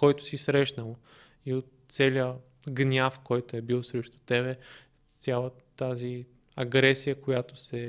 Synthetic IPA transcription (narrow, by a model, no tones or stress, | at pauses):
kɔjt̪ʊ̥sisɾɛʃnəlˠ | iot̪sɛliə | ɡnʲafkɔjt̪ʊɛbilˠsɾɛʃt̪ʊ̥t̪ɛβɛ | t̪sʲalˠə | t̪azi | ɐɡɾɛsijəkojat̪o̥sɛ